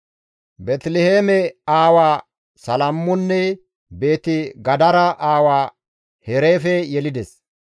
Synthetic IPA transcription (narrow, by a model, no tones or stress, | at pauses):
bɛt̪lɛheːmɛaːwaː | sɐlɐmːʊnːɛ | be̞ːt̪ɪɡɐd̪ɐɾɐʔaːwaː | hɛɾeːfɛjɛlɪd̪ɛs